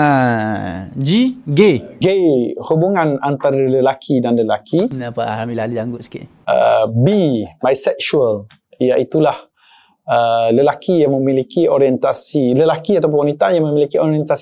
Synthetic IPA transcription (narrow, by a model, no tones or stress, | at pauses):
a | d͡ʒiɡeɡehubuŋanant̪aɾaləlakʰidanləlakʰinapaa̰amilalud͡ʒaŋɡʊʔsə̥kḭʔ | ə̰bimajsɛk̚sual | jaʔit̪ulah | ələlakʰijaŋməmilikioɾiɛnt̪asiləlakiat̪awp̬ʊ̃nwanit̪ajaŋmə̃milikioɾiɛnt̪as